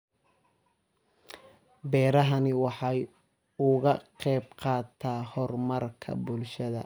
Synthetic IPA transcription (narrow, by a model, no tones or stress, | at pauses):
bɛːɾɐɦɐnɪwɑħɑj | ʊɣɐqɛjb̚qɑːt̪ʰaːhɔrmɐrkʰɐ̰bʊlʃɐðɐ̰